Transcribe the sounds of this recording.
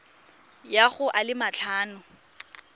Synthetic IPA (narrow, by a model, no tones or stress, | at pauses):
jaχʊʔalɪmat͡ɬʰaːnʊ